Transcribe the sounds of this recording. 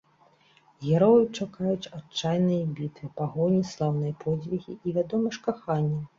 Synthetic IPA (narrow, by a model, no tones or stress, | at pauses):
ɣʲɛɾɔjɨt͡ʂakajut͡ɕʲat͡ʂajnɨjɐbʲit̪vɨpaɣɔnʲislˠawnɨjɐpʰɔd͡zʲvʲiɣʲḭʔːvʲad̪ɔmɨʂkaxanʲːɐ